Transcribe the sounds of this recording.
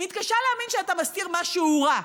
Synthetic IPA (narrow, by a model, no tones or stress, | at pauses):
mit̪kaʃaleaːminʃeatamaskiʁmaʃuuʁa